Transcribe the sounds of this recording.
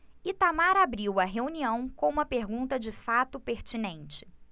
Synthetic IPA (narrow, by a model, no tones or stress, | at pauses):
it̪amaɾabɾiwɐɦeuniɐ̃w̃kõũmɐpeɾɡũnt̪ɐd͡ʒɪfat̪ʊpeɾt͡ʃinẽnt͡ʃɪ̥